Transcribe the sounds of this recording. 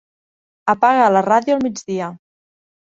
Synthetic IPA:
əpaɣəːləraðjuəlˠmid͡ʒðiə

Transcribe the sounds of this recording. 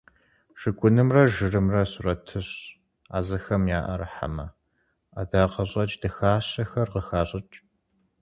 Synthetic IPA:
ʃɨkʷʼʊnɨmrɐʒɨrɨmrɐsʊrɐtʰɨɕ | a̰ːzɐxɐmjaːʔɐrɐħa̰mɐ | adaːqɐɕʼɐt͡ʃʼdɨxaːɕɐxɐrʁəxaːɕʼɪt͡ʃʼ

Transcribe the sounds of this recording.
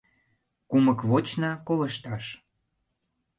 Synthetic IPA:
kuməkβot͡ɕnɑkoβə̆ʃt̪ɑʃ

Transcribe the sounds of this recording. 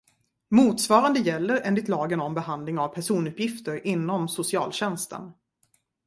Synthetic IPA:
muːt̪svɑːɾand̪əjɛlːəɾɛːnd̪ɪt̪lɑːɡənɔmbɛhand̪lɪŋavpʰæʂuːnɵpjɪft̪əɾʔɪnːɔmsʊsɪɑːlɕɛnst̪ʰə̰n

